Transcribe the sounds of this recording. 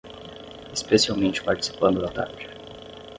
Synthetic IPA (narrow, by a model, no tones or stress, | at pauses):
espesiawmẽnt͡ʃɪ̥paɾt͡ʃi̥si̥pɐ̃nd̪ʊd̪at̪a̰ɾd͡ʒɪ